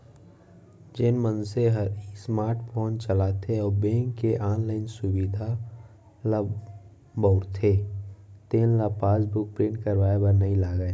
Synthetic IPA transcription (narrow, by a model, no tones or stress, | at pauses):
d͡ʒɪnmə̃nseɦəɾsmaːɾʈpʰoːnt͡ʃəlat̪ʰeɔːɾbẽːŋkːeʔaːnlaːɪnsʊwid̪ʱa | lab | bɔʊɾt̪ʰe | t̪eːnlapaːsbʊk̚pɾɪ̃ɳʈkəɾwaːebəɾnɐĩlaːɡəe